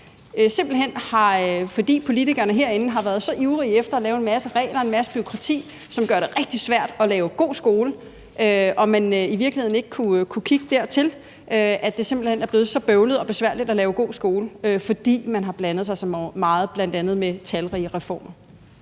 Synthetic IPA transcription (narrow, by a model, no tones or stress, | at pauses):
se̝mb̥l̩ɦen̰hɑ̈fɒ̽d̥ḭːpʰo̝lit͡sʰiɡ̥ɐnəɦe̝ɐ̰e̝nn̩ɦɑ̈ʋæɐð̞̩ˠsɒ̽ʔiʊʁiefd̥ɐːlɛːʊe̝nmæsəʁɛ̰ːɪlɐe̝nmæsəb̥yʁo̝kʰʁɑ̈t͡sʰḭː | sɒ̽mɡ̥ɶɐɾ̥e̝ʁɛɡ̥̚d̥isʋæɐ̰d̥ɒ̽lɛːʊɡ̥o̝̰ːsɡ̥o̝ːlə | ʔøɒ̽mænøiʋiɐɡlihe̝ð̰ˠn̩e̝ɡ̥ə̥kʰukʰukʰiɡ̥əd̥æɐ̰t͡sʰe̝l | ʔøæd̥e̝semb̥l̩henæɐb̥leːð̩ˠsɒ̽b̥øʊləð̩ˠɒ̽b̥e̝sʋæɐ̰lid̥ælɛːʊɡ̥o̝̰ːsɡ̥o̝ːləøfɒ̽d̥ḭːmænɦɑ̈b̥lænð̞̩ˠs̬ɑ̈ɪsɒ̽mmɑ̈ːð̩ˠb̥læn̰d̥ænð̩ˠmet͡sʰælʁiːʁɛfɒ̰ːmɐ